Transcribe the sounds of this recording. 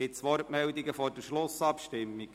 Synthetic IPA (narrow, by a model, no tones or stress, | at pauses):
ɪt̪sʋɔɾtmɛld̪iɡəfɔɾdəʃlʊsɑpʃtɪmːiɡ